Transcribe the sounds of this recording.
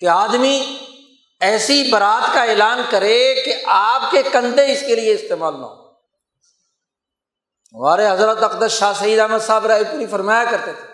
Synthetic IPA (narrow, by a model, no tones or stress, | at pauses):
keaːd̪mi | ɛːsibɐɾaːt̪kaeːlaːnkɐɾekeʔaːp̚kekɐ̃nd̪eɪskelieɪst̪eːmaːlnɐ̰o | ʋaːɾeɦɐzɾət̪ɐqd̪əsʃaːsɐiːd̪aːməd̪saːbɾaːikoɾifɐɾmaːjakɐɾt̪et̪ʰe̥